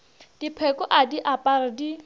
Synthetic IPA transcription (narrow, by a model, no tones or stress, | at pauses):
d̥ipʰɛkɔʔadiʔapʼaɾɪdi